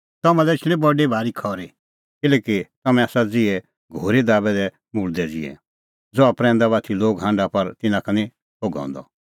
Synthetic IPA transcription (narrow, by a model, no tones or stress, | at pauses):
t̪ɐmɛ̃lɛɪt͡ʃʰl̃ĩbɔɖebʱaːɾikʰɔːɾi | kɪlɛːkit̪ɐmɛ̃aːsad͡zɪɛ | ɡʱoːɾed̪aːbɛd̪ɛ | mʊld̪ɛd͡zɪ̰ɛ̰ | d͡zɔapɾɛ̃ːnd̪aβaːt̪ʰiloːɡɦãːɳɖapɐɾt̪ɪnãkʰɐnĩ | poɡɔ̰̃ːnd̪ɔ̰